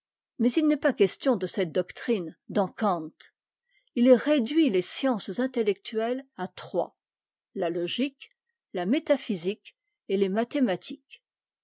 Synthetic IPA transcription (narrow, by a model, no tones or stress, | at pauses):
mɛzilnɛpakʲɛst̪jɔ̃d̪əsɛt̪̚d̪ɔkt̪χind̪ɑ̃kɑ̃t̪ | ilɛʁed̪ɥilesjɑ̃szɛ̃t̪elɛk̚t̪ɥɛlat̪χwa̰ | lalɔʒik | lamet̪afizik | elemat̪emat̪ʰik